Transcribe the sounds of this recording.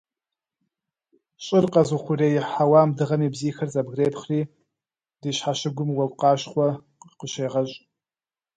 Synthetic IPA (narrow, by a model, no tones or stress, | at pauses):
ɕʼɪrqʼɐzuχʷʊrejħawaːmdɨʁɐmibziːxɐrzʼabɡreːpʰχriː | d̥iʃħaʃɪɡʷʊmwɐlqʼaːʃχʷɐ | qəʃejʁɐɕʼ